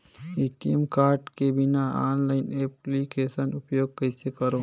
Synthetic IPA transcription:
it̪iəmkaːɾʈkebɪnaaːnlaːɪneːplikeːʃənʊpjoːɡ̚kɐɪsekɐɾoː

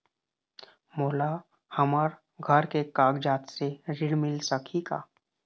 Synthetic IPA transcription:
mola | həmaɾ | ɡʱəɾkekaɡd͡ʑat̪seɾiɽmilsəkʰika̰

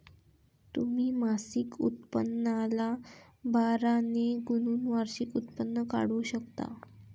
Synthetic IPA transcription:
t̪um̤iːmasikṵt̪̚pənːala | baɾaneɡunuːnʋaɾɕikut̪pənːəka̰ɽuːɕəkt̪a̰

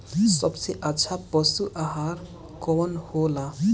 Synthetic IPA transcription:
səbseʔɐtːʃʰapɔsuʔaɦaɾ | kɔːnhoːla

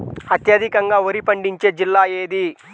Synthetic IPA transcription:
ɐt̪jɐd̪ʱikɐŋɡaːʋɐɾipɐɳɖiɲt͡ʃe̞ːd͡ʒilːaːeːd̪i

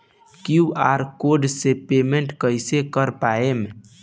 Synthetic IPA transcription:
kiuaɾkoɾɖsepemeɳʈkəjsekəɾpaem

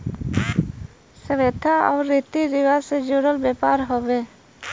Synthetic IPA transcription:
səʋet̪ʰaɔ̰ʊɾːit̪iɾiʋased͡ʒoɽəlbɛpaɾɦobeː

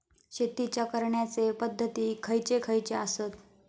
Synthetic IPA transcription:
ɕet̪it͡ɕjakəɾɳjat͡sepəd̪ʱːət̪iːkʰəjt͡ɕekʰəjt͡ɕeasət̪

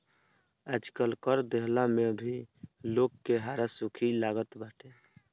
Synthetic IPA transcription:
əd͡ʒkəlkəɾd̪eɦlamebʱilokːeɦaɾasukʰilaɡət̪baʈʰe

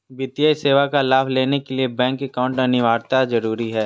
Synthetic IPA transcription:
biːt̪ijaːiseːʋakalaːbleːnekeliebɛ̃ːŋkekaːʊ̃ɳʈaniʋaːɾt̪azɐɾuːɾiɦɛː

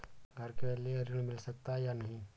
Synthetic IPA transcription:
ɡʱɐɾkeleɐɾɪnmɪlsɐk̚t̪ajanɐɦĩː

